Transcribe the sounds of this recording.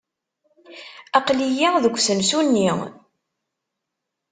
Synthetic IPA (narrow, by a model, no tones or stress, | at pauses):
ɑqlijiðəɡʷːsəmsunːi